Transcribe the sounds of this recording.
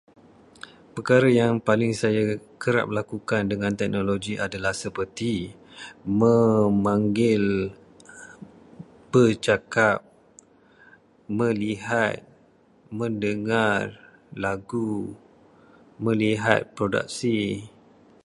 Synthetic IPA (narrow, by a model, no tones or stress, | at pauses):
pəkaɾajaŋpalɪŋsajakəɾa̰ʔ̚məlakukandəŋãnt̪ɛk̚noloɡiʔadalahsəpərt̪i | mə̃mãŋɡɪl | b̥ət͡ʃakap̚ | mə̃liɦat̪̚ | mə̃ndəŋar | laɡu | mə̃liɦa̰t̪̚pɾoda̰k̚si